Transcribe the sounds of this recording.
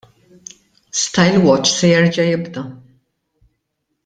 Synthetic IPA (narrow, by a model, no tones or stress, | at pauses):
st̪ɐjlwɔt͡ʃːsɛjɛɾd͡ʒɐjɪbd̪ɐ